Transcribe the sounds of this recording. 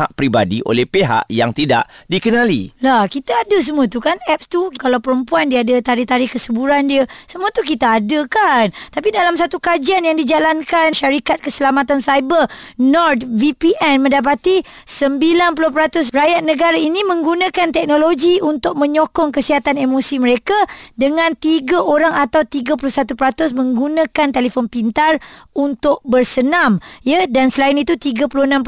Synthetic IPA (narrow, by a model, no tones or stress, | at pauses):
aʔpɾibadiʔo̰lɛhpeɦa̰ʔja̰ŋt̪ida̰ʔdikənãlḭlahkit̪aːdəs̬əmũət̪ukanɛp̚st̪ukalawpəɾəmpuandiadət̪aɾɪht̪aɾɪhkəsəbuɾandiəsəmũət̪uk̬it̪aːdəkant̪apidalamsat̪ukad͡ʒianjaŋdid͡ʒalankanʃaɾikat̪̚kəsəlamat̪ansajbənɔrd̪̚vipiʔɛnmə̃ndap̬at̪i | səmbilanp̬ulʊhpəɾat̪ʊs̬rajat̪̚nə̃ɡaɾainĩmə̃ŋɡunãkant̪ɛk̚nõloɡiunt̪ʊk̚mə̃ɲokɔŋkəsiɦat̪anemosiməɾekadəŋãnt̪iɡaʔoɾaŋat̪awt̪iɡap̬ulʊhsat̪upəɾat̪ʊsmə̃ŋɡunãkant̪elefɔnpint̪arunt̪ʊʔ̚bərsənãmjadansəlaɪnit̪ut̪iɡapulʊhənãmp